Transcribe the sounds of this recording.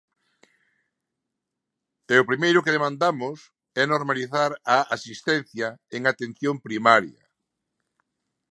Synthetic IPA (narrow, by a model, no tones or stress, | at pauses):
ɛʊpɾimejɾʊkeðemãnd̪amʊs | ɛnoɾmaliθaɾaasist̪ɛn̟θjɐeŋat̪ẽnθjompɾimaɾjɐ̰